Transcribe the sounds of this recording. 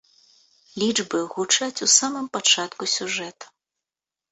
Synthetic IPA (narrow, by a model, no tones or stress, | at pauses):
lʲid͡ʐbɨɣut͡ʂat͡sʲusamɨmpat͡ʂat̪kusʲuʐɛt̪ɐ̥